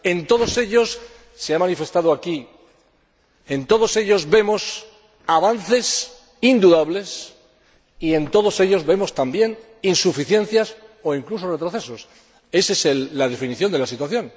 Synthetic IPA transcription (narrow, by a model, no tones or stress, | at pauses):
e̞nt̪o̞ð̞o̞se̞ʎo̞sː | eamãnife̞st̪að̞oaki | ent̪o̞ð̞o̞se̞ʎo̞zβe̞mo̞s | aβan̟θe̞s | ind̪uðaβle̞s | ie̞nt̪o̞ðo̞se̞ʎo̞zβe̞mo̞st̪ambje̞n | insufiθje̞n̟θjaso̞iŋkluso̞re̞t̪ɾo̞θe̞so̞s | e̞seselːaðe̞finiθjo̞nd̪e̞lasit̪waθjo̞n